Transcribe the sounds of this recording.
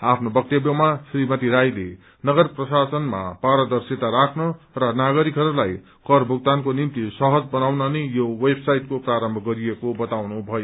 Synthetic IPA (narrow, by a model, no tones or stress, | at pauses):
apʰnobʌk̚t̪ebjʌmasrimʌt̪iɾajlḛ | nʌɡʌrprʌsasʌnma̰paɾʌd̪ʌrset̪aɾakʰnʌ | rʌnaɡʌɾikɦʌɾulaj | kʌrbʱuɡ̚t̪ankonimt̪isʌɦʌd͡zbʌnawnʌnʌjowebsajʈkopraɾʌmbʱʌɡʌɾiekobʌt̪awnubʱʌjo